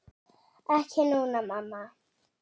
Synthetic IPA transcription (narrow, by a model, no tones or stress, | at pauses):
akʰenuunamama